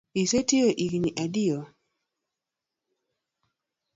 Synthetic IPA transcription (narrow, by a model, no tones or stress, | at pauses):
isetioʔikɲiʔadɪo